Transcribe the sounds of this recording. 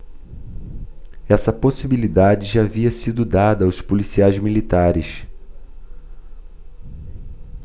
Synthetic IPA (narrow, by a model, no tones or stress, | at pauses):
ɛsɐposibilid̪ad͡ʒɪʒaːviɐsid̪ʊd̪ad̪ɐːwspolisiajzmilit̪aɾɪʃ